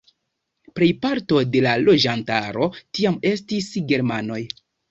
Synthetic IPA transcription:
pɾejpaɾto̞de̞lalo̞d͡ʒantaɾo̞tiame̞stisɡe̞ɾmano̞j

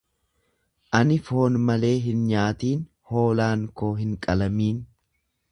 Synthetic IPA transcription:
ʔɐnɪfo̞ːnmɐle̞ːɦɪnɲaːt̪iːn | ho̞ːlaːŋkoːɦɪŋkʼɐlɐmiːn

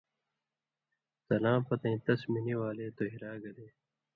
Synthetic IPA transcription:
sɐlãːpɐt̪ẽːt̪ɐsminiwaːleːt̪oɦiɾaːɡɐd̪eː

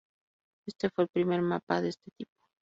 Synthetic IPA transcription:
e̞st̪e̞fwe̞ːlpɾime̞ɾmapaðest̪et̪ip̚o̥

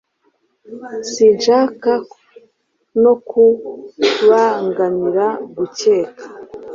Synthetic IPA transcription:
sinʃaːka | no̞ku | βaŋɡaniɾaɡuceːkḁ

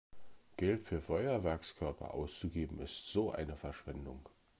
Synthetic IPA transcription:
ɡ̥ɛltfyːɐfɔʏɐvɛɐkskʰœɐpʰɐ̰ʔa̰ʊst͡suɡeːbm̩ɪstz̥oːʔa̰ɪnəfɛɐʃv̥ɛndʊŋ

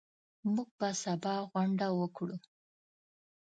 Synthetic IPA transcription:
muɡ̚basabɑɣwaɳɖawəkɽu

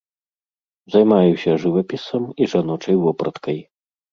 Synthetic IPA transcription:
zɐjmajusʲɐʐɨvɐpʲisɐmiʐanɔt͡ʂɐjvɔpɾɐt̪kɐj

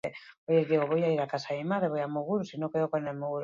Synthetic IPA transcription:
eoʎezðiɣoβojaiɾakasaðimaðɾeβojamuɣuɾusinõkeðokonelmuɣuɾ

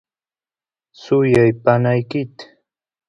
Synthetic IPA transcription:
sʊjajpanajkɪt̪

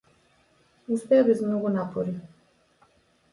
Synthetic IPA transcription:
uspɛjabizmnoɡɔnapʰoɾi

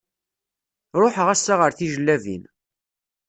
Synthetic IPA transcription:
ɾˤoħʁæsːaʁəɾθiʒəlːævḭn

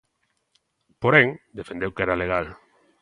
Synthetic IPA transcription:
poɾeŋd̪efẽnd̪ewkɛɾaleɣal

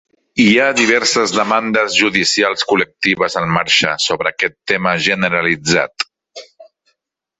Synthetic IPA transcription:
iaðiβ̞ɛɾsəzðəmand̪əzʒuðisialˠskulək̚t̪iβəzəlmaɾʃəsoβɾəːkɛt̪ːeməʒənəɾəlid͡za̰t̪

